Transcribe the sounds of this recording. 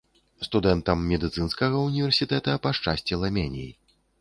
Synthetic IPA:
st̪ud̪ɛnt̪ɐmːʲɛd̪ɨt̪sɨnskɐɣɐunʲivʲɛrsʲit̪ɛt̪ɐpɐʂt͡ʂasʲt͡sʲɛlˠɐmʲɛnʲḭji

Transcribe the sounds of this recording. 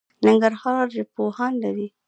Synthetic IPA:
nɪŋɡaɾhɑɾd͡ʒepohɑnlaɾi

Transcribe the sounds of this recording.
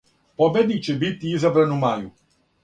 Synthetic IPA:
pobed̪it͡ʃebit̪ʲiizabɾanumaju

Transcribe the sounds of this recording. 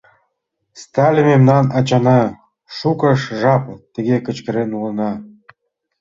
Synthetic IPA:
st̪ɑlʲəmemnɑnɑt͡ɕɑnɑ | ʃukə̆ʃʒɑpt̪ə̆ɣekə̆t͡ɕkə̆ɾenulə̆nɑ

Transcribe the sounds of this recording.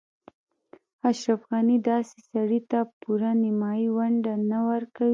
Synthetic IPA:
aʃɾafɣanid̪ɑse̥saɽit̪apuɾanɪmɑjiwaɳɖanawəɾkawi

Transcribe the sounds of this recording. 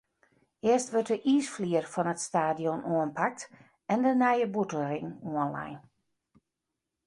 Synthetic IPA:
ɪəstʋøtəʔiːsfliərfɔnətstaːdjonʔuənpʰak̚t | ɛndənɛjəbutəl̩ˠrɪŋuənla̰jn

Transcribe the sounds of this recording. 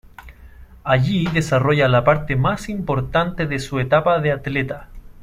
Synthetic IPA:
aʝiðe̞saroʝalapaɾt̪emasimpo̞ɾt̪ant̪eðesuet̪apaðeat̪let̪a

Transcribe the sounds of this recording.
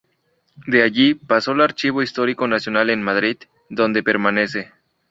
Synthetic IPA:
d̪e̞aʝipasoelaɾt͡ʃiβoist̪o̞ɾiko̞nasjo̞nale̞nmaðɾið | d̪o̞nd̪e̞pe̞ɾmane̞se̞

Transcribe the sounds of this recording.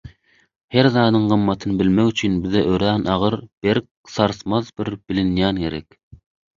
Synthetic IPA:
hæɾzɑːnɨŋʁəmːɑt̪ʰɨnɨbɪlmɛkyt͡ʃʰynbɪzɛʔøɾænʔɑʁəɾb̥eɾk̚ | sɑɾsmɑzbɪɾb̥ɪlɪnjɑnkʲʰeɾɛkʲ

